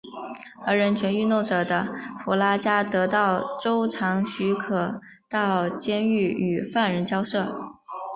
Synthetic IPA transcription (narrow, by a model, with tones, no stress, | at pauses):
ə˞˧˥ɻə˧˥nt͡ɕʰɥɛ˧˥ny˥˧no˥˩ʊʈ͡ʂɤ˨˩d̪ə˦pu˧˥la˥t͡ɕja˥t̪ɤ˧˥t̪ɑ˥˩ʊʈ͡ʂo˥ʊʈ͡ʂʰɑ˧˥ŋɕy˧˥kʰɤ˨˩ | t̪ɑ˥˩ʊt͡ɕjɛ˥ny˥˩y˨˩fa˥˩nɻə˧˥nt͡ɕjɑ˥ʊʂɤ˥˩